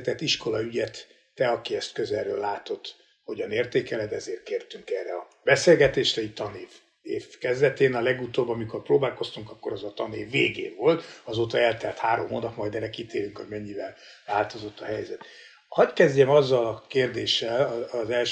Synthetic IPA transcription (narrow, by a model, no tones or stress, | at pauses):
t̪ɛt̪ːiʃko̞lɒyɟɛt̪ː | ɛɒkiɛst̪køzɛrøːlːaːt̪o̞t̪ː | ho̞ɟɒneːrt̪eːkɛlɛd̪ɛzeːrt̪̚keːrt̪yŋkɛrɛɒ | b̥ɛseːlɡɛt̪eːʃrɛict̪ɒneːv | eːfkɛzd̪ɛt̪eːnɒlɛɡut̪oːbɒmiko̞rproːbaːlko̞st̪uŋkɒkːo̞ɾɒzɒt̪ɒneːvːeːɡeːɱvo̞lt̪ɒzoːt̪ɒɛlt̪ɛlt̪haːɾo̞̰mɦoːnɒpmɒjd̪ɛɾɛkit̪eːɾyŋkhoɟmɛɲːivɛl | laːlt̪o̞zo̞t̪ːɒɦɛjzɛt̪ | hɒckɛzɟɛmɒzːɒlɒkeːrd̪eːʃːɛlzɛlʃ